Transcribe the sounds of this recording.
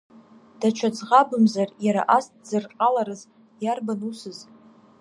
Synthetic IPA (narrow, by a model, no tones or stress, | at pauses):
d̥at͡ʃʷʰad͡zʁabɨmzarjaɾa̰ʔastzɨrqʼalaɾɨz | jarbanusɨz